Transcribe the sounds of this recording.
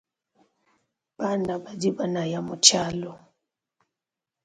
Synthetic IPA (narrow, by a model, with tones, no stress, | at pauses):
b̥a˦na˨ba˨di˦ba˦na˨ja˨mʊ˨t͡ʃa˦lɔ˨